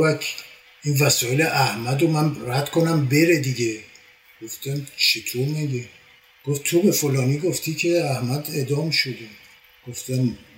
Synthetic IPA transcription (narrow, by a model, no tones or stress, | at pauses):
vækʰ | invæsɒːeleʔæhmæd̪omænræd̪̥kʰonæmbe̞ɾed̪iɡe | ɡ̥oft̪æmt͡ʃʰit̪ʰomæd̪e | ɡ̥oft̪ʰobe̞folɒːniːɡoft̪ʰiːcʰeæhmæd̪e̞d̪ɒːmʃod̪e | ɡ̥oft̪æm